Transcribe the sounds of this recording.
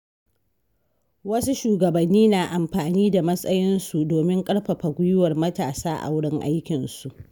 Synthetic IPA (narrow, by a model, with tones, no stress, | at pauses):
wɐ˦su˦ʃuː˨ɡɐ˨bɐ˨nːiː˦naː˨ʔa˨mɸaː˨niː˦da˨mɐ˦sʼɐ˦jɪ˦nsu˨doː˨mɪ˦ŋkʼɐ˦ɽɸɐ˨ɸa˨ɡʷʊ˦jʊ˦wɐ˨rmɐ˦taː˨saː˦ʔa̰˨wʊ˦ɽɪ˦ŋʔa̰˦jkʲɪ˨nsu˨ʔ